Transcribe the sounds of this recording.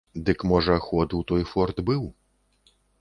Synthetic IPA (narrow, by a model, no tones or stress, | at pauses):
d̪ɨkmɔʐɐxɔd̪wt̪ɔjfɔrd̪bɨw